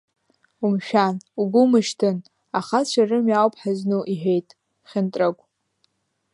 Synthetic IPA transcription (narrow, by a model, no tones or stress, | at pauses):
umʃᶣanuɡʷʊmɨʃtʰɨn | aχat͡ʃʷʰarɨmjawpʰʼħaznuʔiħʷᶣejtʼ | χʲɪntʼakʷʼ